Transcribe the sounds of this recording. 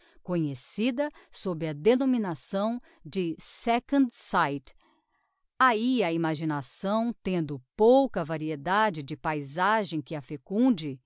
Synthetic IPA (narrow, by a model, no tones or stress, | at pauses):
kõɲesid̪ɐsobɾɪɐd̪enõminasɐ̃w̃ | d͡ʒɪsɛkɐ̃nd̪sajt̪ | aiɐimaʒinasɐ̃w̃t̪ẽnd̪ʊpowkɐvaɾied̪ad͡ʒɪd͡ʒɪpajzaʒẽj̃kɪɐfekũd͡ʒɪ